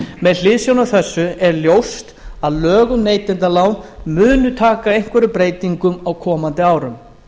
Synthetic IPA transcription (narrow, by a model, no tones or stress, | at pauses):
mɛðl̥ɪːðsjownaθɛsːʏɛɾljowst̪aðlœːɣʏmneːjt̪ɪnt̪alaːwnmʏːnʏt̪ʰaːkaejŋ̥kvɛɾʏpɾeːjt̪iŋkʏmawkʰɔːmant̪ɪaːwɾʏm